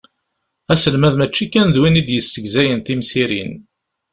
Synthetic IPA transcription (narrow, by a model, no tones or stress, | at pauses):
æsəlmæðmæt͡ʃːikːænðwinid̪jəsːəɡzæjənt̪imsiɾḭn